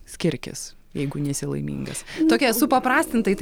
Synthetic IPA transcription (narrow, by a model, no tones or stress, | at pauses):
sʲkʲɪɾʲkʲɪ̰s | jɛɪɡʊnʲɛsʲɪlˠɐ̰ɪmʲḭːŋɡɐ̰st̪oːkʲiɛsʊpɐpɾɑːsʲt̪ʲɪnt̪ɐɪt̪